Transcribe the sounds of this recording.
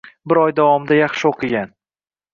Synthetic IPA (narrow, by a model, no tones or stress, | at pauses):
bɪɾɒjd̪avɒmd̪ajaχʃɪoqʰɨɡʲan